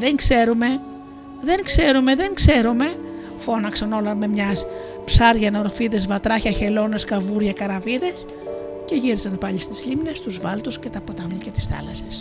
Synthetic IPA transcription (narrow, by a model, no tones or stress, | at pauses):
ðeŋkse̞ɾume̞ | ðe̞ŋkse̞ɾume̞ðe̞ŋkse̞ɾume̞ | fo̞nɐksɐno̞lɐnme̞mɲɐs | psɐɾʝɐno̞ɾfiðe̞zvɐt̪ɾɐçɐçe̞lo̞ne̞skɐvuɾʝɐkɐɾɐviðe̞s | ceʝiɾisɐnpɐʎist̪izʎimne̞st̪uzvɐlt̪usce̞t̪ɐpot̪ɐnilcet̪i̥sθɐ̰lɐse̥s